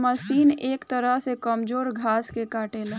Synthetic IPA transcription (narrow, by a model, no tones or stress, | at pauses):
məsiːneːkt̪əɾəɦsekəmd͡ʒoːɾɡʱaskekaːʈel